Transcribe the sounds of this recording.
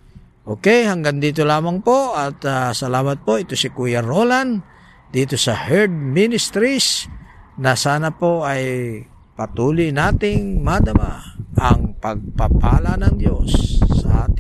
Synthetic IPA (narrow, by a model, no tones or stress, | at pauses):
ʔoːkɛjhɐŋɡand̪iːt̪̬olaːmɐŋpoʔat̪asɐlaːmɐt̪̚po̞ʔɪt̪osɪkuːjaɾolan | d̪iːt̪osɐhɛɾd̪̚minɪst̪ɾisnɐsaːnapoʔaj | pɐt̪uːlijnaːt̪ɪŋmad̪ɐmaɐŋpɐɡ̚papa̰ːlanɐŋd̪josːɐ̰ʔa̰ːt̪ɪ